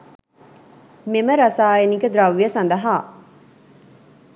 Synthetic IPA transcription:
meməɾɐsaːeniɡəd̪ɾɐʋːijəsɐnd̪ɐɦaː

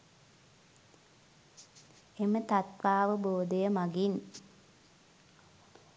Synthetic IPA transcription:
emət̪at̪ʋaːʋəboːd̪əjəmaɡin

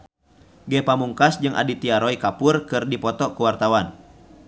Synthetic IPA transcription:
ɡɛpamuŋkasd͡ʒɨŋʔa̰dit̪iaɾɔikapurkɨrdipɔt̪ɔkuwart̪awan

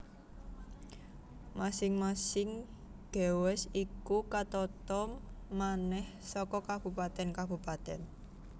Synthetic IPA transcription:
masɪŋmasɪŋ | ɡ̥ɛ̤wɛsikukat̪ɔt̪ɔmːanɛh | sɔkɔkab̥ṳpat̪ɛnkab̥upat̪ɛn

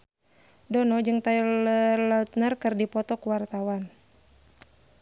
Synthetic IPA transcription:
dɔnɔd͡ʒɨŋt̪ailəlat̪̚nərkɨrdipɔt̪ɔkuwart̪awan

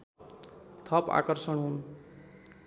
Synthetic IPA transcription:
t̪ʰʌpa̰kʌɾsʌɳɦun

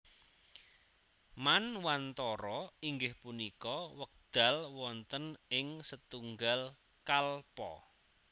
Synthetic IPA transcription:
manwant̪ɔɾɔiŋɡɪhpunikɔwək̚d̪̥a̤lwɔnt̪ənɪŋsət̪uŋɡal | kalpɔ̰

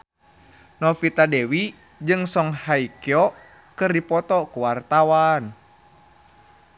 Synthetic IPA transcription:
nɔfit̪adɛwi | d͡ʒɨŋsɔŋhaikiɔ | kɨrdipɔt̪ɔkuwart̪awan

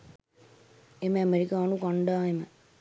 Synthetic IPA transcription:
emeɐmeɾikaːnukɐɳɖaːemɐ

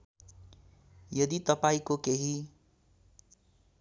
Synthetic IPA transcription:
jʌd̪it̪ʌpaĩkokeɦi

